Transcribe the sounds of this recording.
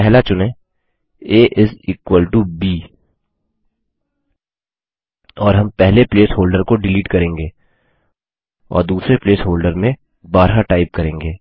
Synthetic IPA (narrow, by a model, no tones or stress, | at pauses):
ɛɦlat͡ʃʊnẽ | eːʔɪziːkwəlʈubiː | ɔːɾɦɐ̃mpɛɦlepleːsɦoːlɖəɾkoɖɪliːʈkɐɾẽːŋɡeː | ɔ̰ːɾd̪uːsɾepleːsɦoːlɖəɾmẽ | baːɾɦaʈaːɪp̚kɐɾẽːŋɡeː